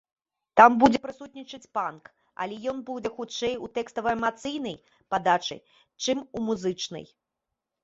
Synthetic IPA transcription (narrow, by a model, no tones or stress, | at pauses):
t̪ambud͡zʲɛpɾɨsut̪̚ʲnʲit͡ʂɐt͡sʲpank | ɐ̰lʲɛjɔnbud͡zʲɛxut͡ʂɛjut̪ɛkst̪ɐvɐɛmat̪sɨjn̪ɐj | pad̪at͡ʂɨ̰j | t͡ʂɨmumuzɨt͡ʂnɐ̰j